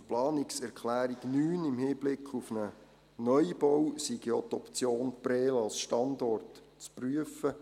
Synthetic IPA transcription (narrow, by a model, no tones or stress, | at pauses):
plɑːnɪksɛɾkχlæːɾiɡnyːnɪmhiːb̥lɪkχufnə | nœjb̥ɔwsiɡjoːt̪ɔpt͡sjoːnpɾɛːlɑlsʃtɑndɔrt | t͡spryəfə